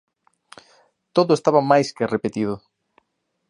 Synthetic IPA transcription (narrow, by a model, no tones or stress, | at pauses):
t̪oðʊest̪aβamajskerepet̪ið̞ʊ